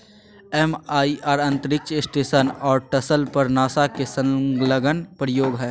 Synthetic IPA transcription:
ɛːmaːiʔaːɾə̃nt̪ɾɪk̚t͡ʃəɪsʈeːsənɔːɾʈɐsəlpɐɾnaːsakesə̃ŋɡləɡənpɾəjoːɡɦɛː

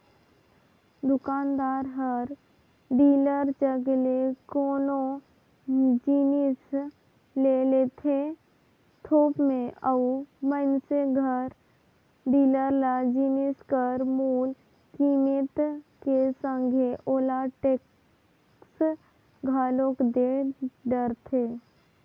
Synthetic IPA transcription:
d̪ʊkaːnd̪aːɾɦəɾ | ɖiːləɾt͡ʃəɡlekoːno | d͡ʒiːnɪs | lelet̪ʰe | t̪ʰoːpmẽʔəumənseɡʱəɾ | ɖiːləɾlad͡ʒiːnɪskəɾmuːl | kiːmɪt̪kesə̃ŋɡʱeʔoːlaʈek | s | ɡʱaːlõkd̪eɖəɾt̪ʰeː

